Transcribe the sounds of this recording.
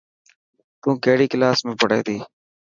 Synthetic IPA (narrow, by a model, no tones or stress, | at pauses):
t̪ũːkeːɽiːklaːsmẽːpəɽḛːd̪iː